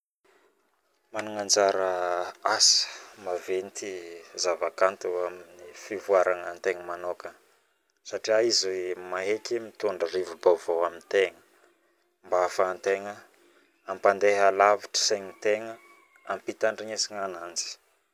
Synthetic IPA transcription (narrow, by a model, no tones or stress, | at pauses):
manuŋand͡zaɾəasə̥mavent̪izavakant̪uaminifivuaɾaŋant̪eŋəmanokə | saʈ͡ʂiaizimaɦekʲimit̪uɳɖ͡ʐərivubavowamint̪eŋə | mbaafaːnt̪eŋə | ampand̪eɦalaviʈ͡ʂə̥seɲit̪eŋə | ampit̪aɳɖ͡ʐiɲesiŋanand͡zi̥